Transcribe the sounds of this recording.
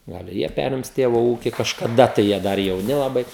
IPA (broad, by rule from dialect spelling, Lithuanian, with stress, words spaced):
ˈɡɐlˠ ɪ ˈjiɛ ˈpʲæːrʲɪms ˈtʲeːʋoː ˈuːkʲɪ kɐʃkɐˈdɐ tɐɪ jiɛ ˈdɐr jɛʊˈnʲɪ lˠɐˈbɐɪ